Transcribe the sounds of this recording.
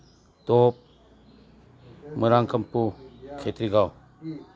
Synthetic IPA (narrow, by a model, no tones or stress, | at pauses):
top̚ | mɯɾaŋkʰɐmpukʰetʰɾiɡaw